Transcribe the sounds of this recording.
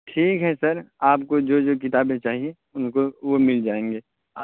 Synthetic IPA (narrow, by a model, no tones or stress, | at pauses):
ʈʰiːkɦɛsɐɾaːpkod͡ʒoːd͡ʒoːk̬ɪt̪aːbmẽt͡ʃaːɦie | ʊnkoʋomɪld͡ʒaːẽːŋɡeː | a